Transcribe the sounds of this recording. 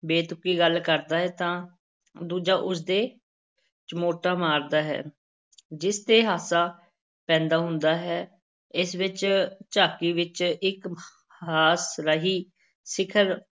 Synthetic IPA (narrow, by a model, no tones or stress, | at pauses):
beːt̪ʊkːiːɡəlkəɾd̪aːɦɛːt̪ãː | d̪uːd͡ʒaːʔʊs̬d̪eː | t͡ʃəmoːʈaːmaːɾd̪aːɦɛ̰ː | d͡ʒɪst̪eːɦaːsaː | pɛ̃ːnd̪aːɦʊnd̪aːɦɛː | ɪsʋɪt͡ʃt͡ʃaːkiːʋɪt͡ʃɪk | haːsɾəɦiː | sɪkʰəɾ